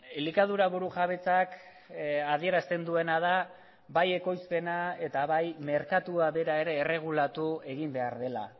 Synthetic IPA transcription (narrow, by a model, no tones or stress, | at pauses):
likað̞uɾaβuɾuʝaβ̞e̞t͡sak | að̞ie̞ɾast̪e̞nd̪ue̞nað̞a | baje̞ko̞jspe̞nae̞t̪aβajme̞ɾkat̪uaβe̞ɾae̞ɾe̞ːre̞ɣ̞ulat̪ue̞ɣimbe̞aɾðe̞la̰